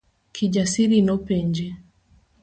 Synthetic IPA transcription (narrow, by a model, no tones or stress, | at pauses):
kʰiʄasiɾinɔpɛɲd͡ʒɛ